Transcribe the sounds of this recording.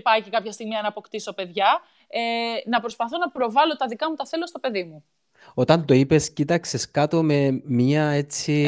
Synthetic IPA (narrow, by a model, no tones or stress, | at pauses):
pɐcikɐpçɐst̪iɣmiɐnɐpo̞kt̪iso̞pe̞ðʝɐ | enɐpɾo̞spɐθo̞nɐpɾo̞vɐlo̞t̪ɐðikɐmut̪ɐθe̞lo̞st̪o̞pe̞ðimu | o̞t̪ɐnd̪oipe̞scit̪ɐkseskɐt̪o̞me̞mɲɐe̞t͡si